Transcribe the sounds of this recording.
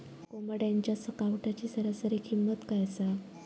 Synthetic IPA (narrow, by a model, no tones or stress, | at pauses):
kombəɽjaɲt͡ɕjasəkaʋʈat͡ɕiːsəɾasəɾekʰimːət̪kajsa